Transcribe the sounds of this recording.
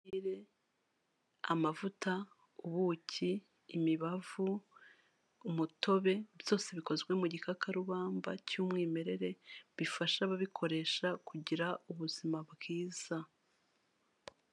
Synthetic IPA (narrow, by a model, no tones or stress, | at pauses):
iɾe̞ | a̰mavuta | uβuciː | miβavu | muto̞βe̞βjo̞ːse̞βiko̞zɡwe̞muɟikakʰaɾuβaːmba̰cuːmŋiːme̞ɾe̞ɾe̞βifaʃaβaβikʰo̞ɾe̞ʃakuɟiɾauβuzimabɡiːz̥a